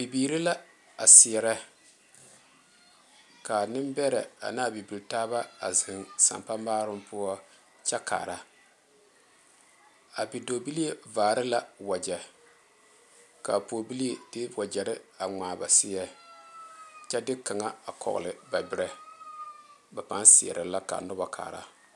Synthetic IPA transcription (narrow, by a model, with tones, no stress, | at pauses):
b̥i˨biː˨ɾi˦la˦ | a˨sɪ˨jɛ˦ɾɛ˦ | ka˨nɪ˦mbɛ˦ɾɛ˨a̰˨naː˦bi˨bi˨ltaː˦βa˦a̰˨zɪ˨ŋsa̰˨mpa˦maː˦ɾʊ˦mpʊ˦ɔ˦ | t͡ʃɛ˦ka̰ː˨ɾa˦ | a˨bi˨do˨bi˦li˦e˦vaː˨ɾɪ˦la˦wɔ˨d͡ʒɛ˨ | ka̰˨poː˨bi˦li˦e˨d̥ɪ˦wɔ˨d͡ʒɛ˨ɾɪ˦a˨ŋaː˨ba˨sɪ˦jɛ˦ | t͡ʃɛ˦dɪ˦ka˨ŋa˦a˨kʰɔ̰˨ɣʊ̰˨lɪ˨ba˨bɪ˦ɾɛ˦ | ba˨pa˦nsɪ˨ɛ̰˨ɾɪ˨la˦ka̰˨nʊ˦ba˨kʰa̰ː˨ɾa̰˦